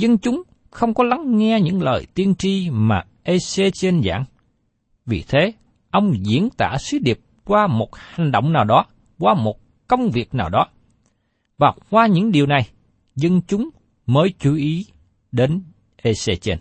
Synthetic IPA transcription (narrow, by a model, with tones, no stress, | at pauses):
zə˧nt͡ɕʊ˨˦ŋ͡m | xə˧wŋ͡mkɔ˨˦la˨˦ŋːɛ˧ɲɨ̰˧˥ŋlə̰ː˨˩jt̪i˧ənt͡ɕi˧maː˨˩ | ʔe˧se˧t͡ɕe˧nza̰ː˧˥˨ŋ | vḭ˨˩t̪ʰe˨˦ | ʔə˧wŋ͡mzḭ˧˥ənt̪a̰ː˧˩sɨ˨˦ɗi˨˩əp̚kwaː˧mo˨˩t̚ha˨˩ŋ̟ɗo̰˧˨wŋ͡mnaː˨˩wɗɔ˨˦ | kwaː˧mo˨˩t̚ | kə˧wŋ͡mvi˨˩ək̚naː˨˩wɗɔ˨˦ | vaː˨˩wkwaː˧ɲɨ̰˧˥ŋɗi˨˩əwna˨˩j | zə˧nt͡ɕʊ˨˦ŋ͡m | məː˨˦jt͡ɕu˨˦ʔi˨˦ | ɗe˨˦n | ʔe˧se˧t͡ɕe˧n